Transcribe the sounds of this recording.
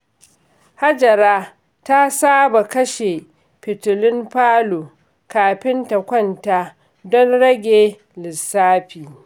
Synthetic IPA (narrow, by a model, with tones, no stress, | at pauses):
ha˦d͡ʒɐ˨ɾaː˦ | ta˦saː˦ba˨kɐ˦ʃe˨ | pɪ˨tʊ˨lɪ˦mɸaː˦loː˨ | kaː˨ɸɪ˦nta˨kʷɔ˦˨nta˦ | dɔ˦nɽɐ˦ɡʲeː˨ | lɪ˨sːaː˦ɸiː˨